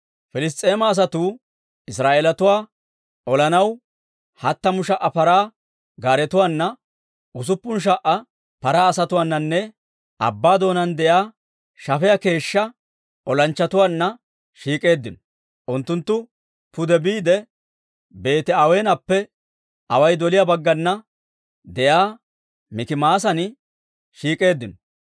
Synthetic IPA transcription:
fɪlɪs̬t̪ʼːe̞ːmɐːs̬ɐt̪uː | ɪsɾaːʔeːlɐt̪ʊwaː | ʔɔlɐnɐw | hɐt̪ːɐmʊʃɐʔːɐpɐɾaː | ɡaːɾɛt̪ʊwaːnːɐ | ʔʊs̬ʊpːʊnʃ̬ɐʔɐ | pɐɾaːɐsɐt̪ʊwaːnːɐnːɛ | ʔɐ̰bːaːd̪o̞ːnɐnd̪ɛjaː | ʃɐfɛjɐke̞ːʃːɐ | ʔɔlɐnt͡ʃːɐt̪ʊwaːnːɐ | ʃiːkʼe̞ːd̪ːɪnɔ | ʔʊnt̪ːʊnt̪ːʊ | pʊd̪ɛbiːd̪ɛ | be̞ːt̪ɛɐweːnɐpːɛ | ʔɐwɐjd̪ɔlɪjabɐɡːɐnːɐ | d̪ɛjaː | mɪkɪmaːs̬ɐnɪ | ʃiːkʼe̞ːd̪ːɪnɔ

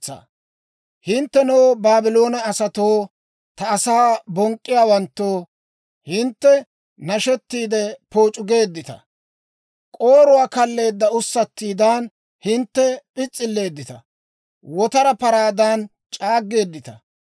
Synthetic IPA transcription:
ɐ̰ | hɪnt̪ːɛnɔwbaːbɪlo̞ːnɐːsɐt̪oː | t̪ɐːsaːbɔŋkʼːɪjaːwɐnt̪ːo̞ː | hɪnt̪ːɛ | nɐʃɛt̪ːiːd̪ɛpo̞ːt͡ʃʼʊɡe̞ːd̪ːɪt̪ɐ̰ | kʼoːɾʊwaːkɐlːe̞ːd̪ːɐʊsːɐt̪ːiːd̪aːn | hɪnt̪ːɛpʼɪt͡sʼːɪlːe̞ːd̪ːɪt̪ɐ̰ | wɔt̪ɐɾɐpɐɾaːd̪aːn | t͡ʃʼaːɡːe̞ːd̪ːɪt̪ɐ̰

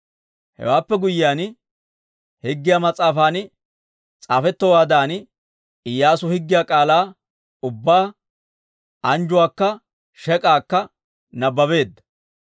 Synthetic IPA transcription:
hɛ̰waːpːɛɡʊjɪjaːn | hɪɡːɪjaːmɐt͡sʼaːfaːn | t͡sʼaːfɛt̪ːɔwaːd̪aːn | ɪjːaːsʊhɪɡːɪjaːkʼaːlaː | ʊbːaː | ɐnd͡ʒʊwaːkːɐ | ʃɛkʼaːkːɐ | nɐbːɐbe̞ːd̪ːɐ̥

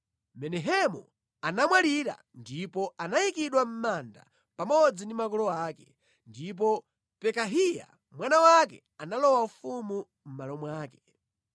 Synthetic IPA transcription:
mɛnɛɦɛmu | anamwaliɾa̰ | ndipɔanajikiɗwam̩manda̰ | pamɔd͡zindimak̬ɔlɔaːkɛ | ndip̬ɔ | pɛkaɦija̰ | mwanawakɛ̰ | analɔwaufumu | m̩malɔmwaːkɛ̥

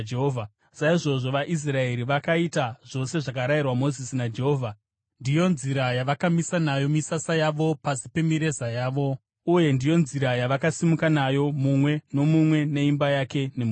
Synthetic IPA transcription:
eɦoːvʱa | saiʐo̞ʐo̞ʋaʔis̬rae̞ɾiʋakaitaʐ̥o̞se̞ʐakaɾairwamo̞zisinad͡ʒe̞ɦoːvʱa | ndijo̞nziɾajaʋakamisanajo̞misasajaʋo̞pasipe̞miɾe̞zajaːʋo̞ | uje̞ndijo̞nziɾajaʋakasimukanajo̞mumwe̞no̞mumwe̞ne̞imbajake̞ne̞mu

